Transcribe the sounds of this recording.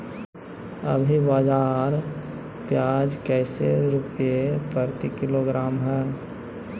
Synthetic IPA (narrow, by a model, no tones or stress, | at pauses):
ə̰bʱibaːd͡ʒaːɾ | pjaːd͡ʒkɛːseɾʊpijepəɾt̪ikɪloɡɾaːmɦɛː